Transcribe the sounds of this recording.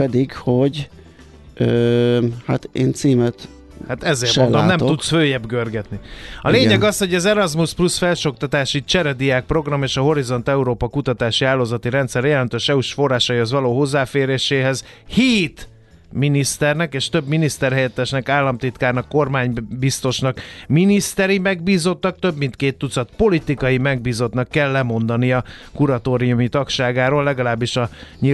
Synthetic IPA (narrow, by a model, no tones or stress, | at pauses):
pɛd̪iɡhoɟ | ø | ha̰t̪ḛːnt̪siːmɛt̪ | hat̪ɛzːeːrʃmod̪omːnɛmt̪ut̪sføːjɛbɡørɡɛt̪niɒleːɲɛɡɒsho̞ɟɒzɛɾɒzmusplusfɛlʃo̞k̚t̪ɒt̪aːʃit͡ʃɛɾɛd̪ijaːk̚pro̞ɡrɒmeːʃɒɦo̞ɾizo̞n̪t̪ɛuɾoːpɒkut̪ɒt̪aːʃiaːloːzɒt̪iɾɛnt̪sɛɾjɛlɛnt̪øːʃɛuʃfo̞rːaːʃɒihozvɒloːɦo̞zːaːfeːɾeːʃeːɦɛz | hiːt̪ | minist̪ɛrnɛkeːʃt̪ø̞bminist̪ɛrɦɛjɛt̪ːɛʃnɛkaːlːɒmt̪it̪kaːrnɒkːo̞rmaːɲbist̪o̞ʃnɒkminist̪ɛɾimɛɡ̚biːzo̞t̪ːɒk̚t̪ø̞bmint̪keːt̪ːut̪sɒt̪po̞lit̪ikɒjimɛɡ̚biːzo̞t̪nɒkːɛlːɛmo̞nd̪ɒniɒkuɾɒt̪oːɾijumit̪ɒkʃaːɡaːɾoːlːɛɡɒlaːbːiʃɒɲi